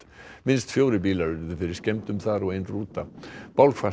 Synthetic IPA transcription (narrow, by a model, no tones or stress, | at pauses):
mɪnst̪fjoːwɾɪpiːlaɾʏɾðʏfɪɾɪɾ̥scɛmt̪ʏmθaɾɔɣejnruːt̪apawlkfa